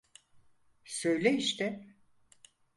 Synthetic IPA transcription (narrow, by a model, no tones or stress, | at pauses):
sø̞jlʲeiʃt̪ʰɛ